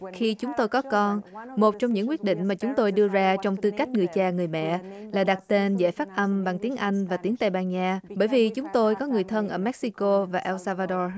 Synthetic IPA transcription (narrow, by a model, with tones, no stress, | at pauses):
xi˧t͡ɕʊ˨˦ŋ͡mt̪o˧jkɔ˨˦kɔ˧nmo˨˩t̚t͡ɕɔ˧wŋ͡mɲɨ̰˧˥ŋkwi˦˥ət̚ɗḭ̈˧˨ŋ̟maː˨˩t͡ɕʊ˨˦ŋ͡mt̪o˧jɗɨ˧əzaː˧t͡ɕɔ˧wŋ͡mt̪ɨ˧ka˦˥jk̟̚ŋɨ˨˩əjt͡ɕaː˧˩ŋɨ˨˩əjmɛ̰˧˨laː˨˩ɗa˨˩t̚t̪e˧nzɛ̰˧˥jfaː˦˥t̚ʔə˧mɓa˨˩ŋt̪i˨˦əŋʔa˧jŋ̟vaː˨˩t̪i˨˦əŋt̪aː˧jɓaː˧nɲaː˧ɓəː˧˩jvi˨˩t͡ɕʊ˨˦ŋ͡mt̪o˧jkɔ˨˦ŋɨ˨˩əjt̪ʰə˧nʔəː˧˩mɛ˦˥k̚si˧ko˧vaː˨˩ʔɛ˧wsaː˧vaː˧ɗɔ˧